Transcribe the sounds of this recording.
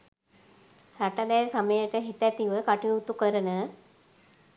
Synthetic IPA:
ɾaʈad̪ɛjsaməjəʈəɦit̪æt̪iʋəkaʈijut̪ukəɾənə

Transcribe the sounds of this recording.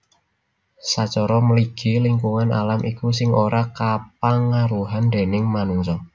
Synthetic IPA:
sat͡ʃɔɾɔməliɡ̥i̤liŋkuŋanʔa̰lamʔikus̬ɪŋoɾakap̚aŋaɾuɦand̪e̤nɪŋmanuŋsɔ

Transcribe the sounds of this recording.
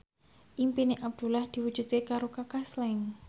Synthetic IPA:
ʔimpineʔab̚d̪̥ṳlahd̪̥i̤wu̥ʒ̥ut̪̚kekaɾokakaslɛŋ

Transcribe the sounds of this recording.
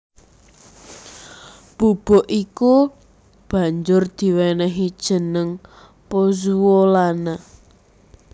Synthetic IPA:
b̥ub̥ɔʔiku | b̥a̤ɲd͡ʒʊrd̪̥i̤wɛnɛɦid̥ʒ̥ə̤nəŋ | pozuwolana

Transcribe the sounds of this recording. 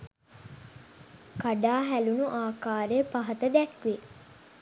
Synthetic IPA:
kaɖaːɦælunuʔaːkaːɾejəpaɦɐt̪əd̪ækʋe

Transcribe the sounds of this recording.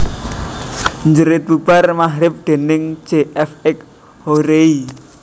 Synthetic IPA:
ɲd͡ʒəɾet̪ub̥armaɦɾɪp̚d̪̥e̤nɪŋd͡ʒ̥eʔɛfɛk̚ | hoɾei

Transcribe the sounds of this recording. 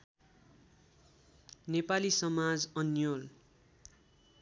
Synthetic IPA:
nepalisʌmad͡zʌnjol

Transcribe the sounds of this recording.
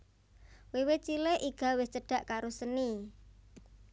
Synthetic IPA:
wewet͡ʃileʔiɡ̥a̤wɪst͡ʃəɖ̥ä̤ʔkaɾosəni

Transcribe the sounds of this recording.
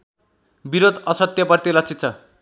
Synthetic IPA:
biɾod̪ʌsʌt̪jʌpʌrt̪ilʌt͡sʰit̪̚t͡sʰʌ

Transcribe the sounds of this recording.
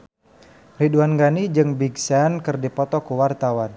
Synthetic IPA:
riduanɡanid͡ʒɨŋbiɡsankɨrdipɔt̪ɔkuwart̪awan

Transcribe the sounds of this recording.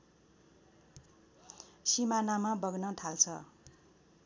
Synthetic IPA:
simanamabʌɡnʌt̪ʰalt͡sʰʌ

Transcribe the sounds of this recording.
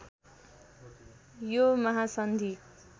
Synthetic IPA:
jomʌɦasʌnd̪ʱi

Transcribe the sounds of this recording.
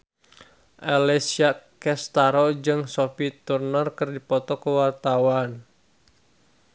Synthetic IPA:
ʔalɛsiakɛst̪aɾɔd͡ʒɨŋsofit̪urnɔrkɨrdipɔt̪ɔkəwart̪awan

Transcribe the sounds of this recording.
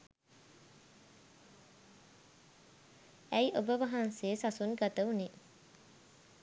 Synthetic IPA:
æjʔobəʋaɦanseːsasunɡat̪əune

